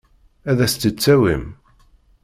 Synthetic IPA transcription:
æðæst̪ət͡sːæwim

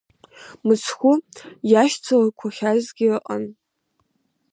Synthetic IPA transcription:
mɨt͡sʰχʷʊjaʃt͡sʰalakʷʰaχʲazɡʲɪɨqʼə̰n

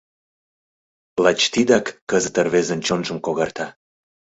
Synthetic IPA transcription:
lɑt͡ɕt̪id̪ɑkːəzət̪ərβezənt͡ɕonʒəmkoɣɑrt̪ɑ

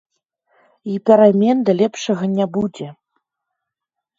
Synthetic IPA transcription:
ipʲɛɾamʲɛnd̪ɐlʲɛpʂɐɣɐnʲæbud͡zʲɛ

